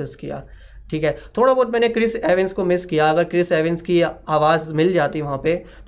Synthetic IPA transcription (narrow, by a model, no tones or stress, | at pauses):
ɪskija̰ː | ʈʰiːkɦɛːt̪ʰoːɽaboːʈ̪̚mɛ̃ːnekɾɪseːʋɪnskomɪskijaɐɡəɾkɾɪseːʋɪnskiaːʋaːzmɪld͡ʒaːt̪iʋɐɦãpet̪